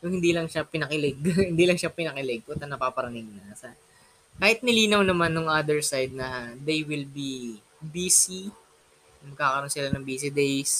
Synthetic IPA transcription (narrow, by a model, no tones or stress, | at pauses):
jʊŋhɪnd̪iːlɐŋʃapɪnɐkɪlɛɡhɪnd̪iːlɐŋʃapɪnɐkɪlɛɡ̚kot̪ɐnɐpaːpɐɾɐnɪŋnɐsɐ | kaːhɪt̪̚nɪliːnɐwnɐmanːoŋʔad̪ɛɹsajd̪̚nɐd̪ejwɪlbi | biːsi | mɐɡ̚kaːkɐɾo̞nsɪlanɐŋbiːsid̪ejs